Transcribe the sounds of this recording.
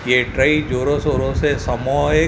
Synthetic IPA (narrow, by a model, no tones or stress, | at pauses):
jeʈɾɐid͡ʒoːɾõsoːɾõsesɐmɔːe